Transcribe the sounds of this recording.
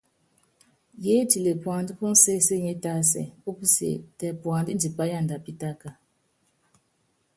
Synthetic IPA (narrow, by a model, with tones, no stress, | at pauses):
je˦ti˨le˨pwa˨ndi˦pu˦n̩˦se˦se˦˨ɲe˦ta˦s̬ɛ̰˨pu˦pi˦sḛ˨tɛ˨pwa˨ndi˦nd͡ʒi˨pa˦ja˦˨nda˨pi˦ta˦ka˨